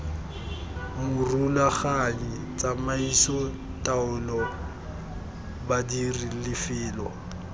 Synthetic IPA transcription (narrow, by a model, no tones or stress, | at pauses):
mʊrulaχaɲi | t͡sʼamaisɔ | tʼaʊlɔ | badirilɪfɪːlwɔ̰